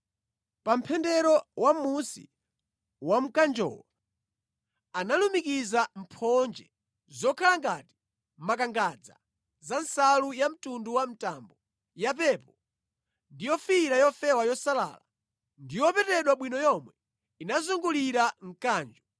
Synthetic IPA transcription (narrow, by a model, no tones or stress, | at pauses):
pam̩pʰɛndɛɾɔwamusḭ | wam̩kand͡ʒɔ̰ːwa | analumikizam̩pʰɔnd͡ʒɛ | zɔkʰalaŋɡati̥ | mak̬aŋɡad͡za̰ | zansalujam̩tunduwam̩tambɔ | japɛːpɔ | ndijɔfiɾajɔfɛwajɔsala̰ːla̰ | ndijɔpɛtɛɗwaɓwinɔjɔmwɛ | inazuŋɡuliɾam̩kaːnd͡ʒɔ